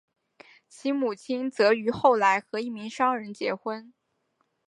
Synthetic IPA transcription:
t͡ɕʰi˧˥mu˨˩t͡ɕʰi˥nt͡sɤ˧˥y˧˥xo˥˩ʊla˧˥ɪxɤ˧˥i˥˩mi˧˥ŋʂɑ˥ŋɻə˧˥nt͡ɕjɛ˧˥xwə˥n

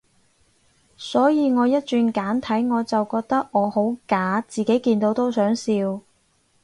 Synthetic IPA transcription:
sɔː˨˥jiː˨˧ŋɔː˨˧jɐ˥t̚t͡ʃyː˧nkaː˨˥nt̪ʰɐ˨˥jŋɔː˨˧t͡sɐ˨wkɔː˧k̚t̪ɐ˥k̚ŋɔː˨˧ho˨˥wkaː˨˥t͡siː˨ke˨˥jkiː˧nt̪o˨˥wt̪o˥wsœː˨˥ŋsiː˧w

